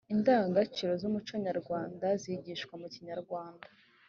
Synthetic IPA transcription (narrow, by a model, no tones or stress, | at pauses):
indaːŋɡat͡ʃiɾo̞zumut͡ʃaɲaɾɡwaːndaziɟiʃkwamuciɲaɾɡwaːnda